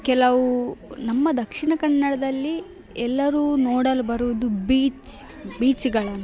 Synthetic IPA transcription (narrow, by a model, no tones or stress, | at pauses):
kɛlɐʋunɐmːɐd̪ɐkʂiɳɐkɐɳːɐɽɐd̪ɐlːi | ɛlːɐɾuːnoːɽɐlbɐɾuʋud̪ubiːt͡ʃ | biːt͡ʃɡɐɭɐnːu